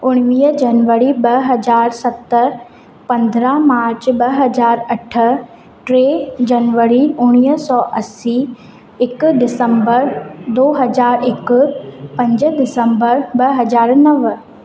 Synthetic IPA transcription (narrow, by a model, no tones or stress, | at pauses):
ʊɽ̃ʋiːəd͡ʒɐnʋəɾibɐɦɐzaːɾsɐt̪ə | pɐ̃nd̪ɾamaːɾt͡ɕbɐɦɐzaːɾɐʈʰə̆ | ʈɾeːd͡ʑɐnʋəɾiʊɽ̃iːɦsɔːʔɐsi | ɪkɖɪsə̃mbəɾd̪oːɦɐzaːɾɪkpɐ̃ɲd͡ʑɖɪsəmbəɾbɐɦɐzaːɾnɐʋ